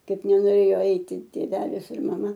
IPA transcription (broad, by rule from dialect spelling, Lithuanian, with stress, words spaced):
ˈkɐɪp nʲɛnoːˈrʲeːjoː ˈɐɪtʲɪ tʲeːˈʋʲæːlʲɪs ɪr mɐˈmɐ